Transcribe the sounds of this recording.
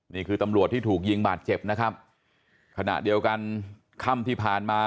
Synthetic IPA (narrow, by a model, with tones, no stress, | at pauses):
niː˥˩kʰɯː˧t̪a˧mɾu˨˩ət̪ʰːiː˥˩t̪ʰuː˨˩k̬̚ji˧ŋbaː˨˩t̪̚t͡ɕe˨˩p̚na˦˥kʰa˦˥p̚ | kʰa˧na̰˨˩ʔdi˧əwka˧n | kʰa˥˩mt̪ʰiː˥˩pʰaː˨˩nmaː˧